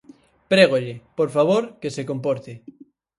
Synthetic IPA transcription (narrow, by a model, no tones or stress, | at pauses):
pɾeɣ̞oʎepoɾfaβ̞oɾkesekompoɾt̪ɪ